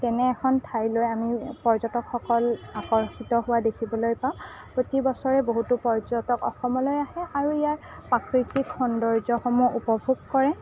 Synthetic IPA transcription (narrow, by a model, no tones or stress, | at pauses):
tɛnɛːkʰɔntʰajlojamipɔɹzɔtɔkxɔkɔlakɔɹxitɔɦʊwadekʰibɔlojpãʊ̃ | pɹotibɔsɔɹɛboɦutupɔɹzɔtɔkɔxɔmɔlojaɦɛʔaɹuijaɹ | pakɹitikxɔndɔɹzɔxɔmuupɔbʱuɡkɔɹɛ